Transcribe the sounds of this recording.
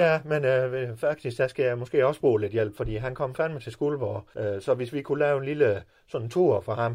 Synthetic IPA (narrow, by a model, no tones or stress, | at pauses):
jæmenøfæɡ̥̚d̥isɡ̥d̥æsɡ̥æjɑ̈ɪmɒ̽sɡ̥e̝̰ːɒ̽sb̥ʁṵːle̝d̥jel̰b̥fɒ̽d̥ḭːɦænkʰɒ̽m̰fæmt͡sʰe̝sɡ̥uːlʋɒ̰ːøsɒ̽ʋe̝sʋikʰulɛːʊe̝nlilə | sɒ̽nt͡sʰuɐ̰fʁɑ̈hɑ̈m